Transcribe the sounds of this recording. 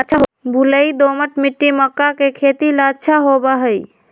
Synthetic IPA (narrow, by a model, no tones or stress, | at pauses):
t͡ʃʰaɦbʱuləid̪oməʈmiʈːiməkːakekʰet̪ilat͡ʃʰaɦobaɦəj